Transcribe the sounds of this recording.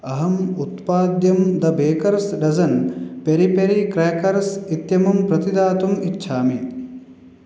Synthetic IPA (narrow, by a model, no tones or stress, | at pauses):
ɐɦɐmut̪paːd̪jɐmd̪ɐbeːkɐɾsɖɐzɐnpeɾipeɾikɾeːkɐɾsit̪jɐmɐmpɾɐt̪id̪aːt̪umitːʃʰaːmi